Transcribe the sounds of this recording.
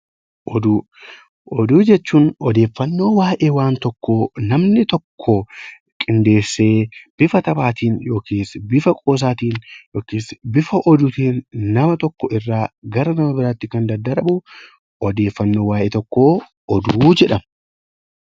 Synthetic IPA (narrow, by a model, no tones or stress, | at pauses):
ʔɔd̪uː | ʔɔd̪uːd͡ʒɛt͡ʃːuːnɔd̪e̞ːfːɐnːo̞ːwaːʔeːwaːnt̪ɔkːoːnɐmnɪt̪ɔkʰːɔ | kʼɪnd̪e̞ːsːe̞ːb̥ɪfɐt̪ɐbaːt̪iːnjo̞ːkiːsbɪfɐkʼo̞ːs̬aːt̪iːnjoːkiːsbɪfɐʔɔd̪ʊt̪iːnːɐmɐt̪ɔkːɔɪrːaːɡɐɾɐnɐmɐbɪɾaːt̪ːɪkɐnd̪ɐd̪ːɐɾɐbʊ | ɔd̪e̞ːfːɐnːoːwaːjʔeːt̪ɔkːo̞ː | ʔɔd̪uːd͡ʒɛᶑɐm